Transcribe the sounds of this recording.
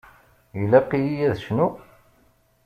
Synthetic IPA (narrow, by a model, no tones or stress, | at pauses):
jilæqːijijæðʃnu